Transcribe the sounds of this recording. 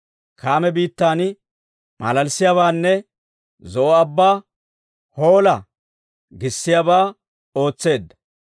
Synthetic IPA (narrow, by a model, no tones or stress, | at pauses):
kʰaːmɛbiːt̪ːaːn | mɐ̰lɐlsɪjaːβaːnːɛ | zɔʔɔɐbːaː | ho̞ːlɐ | ɡɪsːɪjaːbaː | o̞ːt͡sːe̞ːd̪ːɐ̥